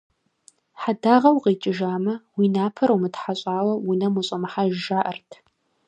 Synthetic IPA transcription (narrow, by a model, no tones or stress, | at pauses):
ħadaːʁɐwqeːt͡ʃʼɪʒaːmɐwiːnaːpʰɐɾɐwmɨtħaɕʼaːwɐwʊnɐmʊɕʼɐmɨħaʒʒaːʔɐrtʰ